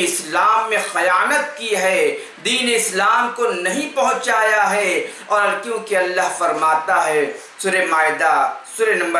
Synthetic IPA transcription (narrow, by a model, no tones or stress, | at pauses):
ɪslaːmːẽxɐjaːnət̪̚kiɦɛ | d̪iːneɪslaːmkonɐɦĩpɐɦʊ̃t͡ʃaːjaɦɛ | ɔːɾkjõːkeɐlːaɦfɐɾmaːt̪aɦɛː | suːɾemaːɪd̪asuːɾenɐ̃mbə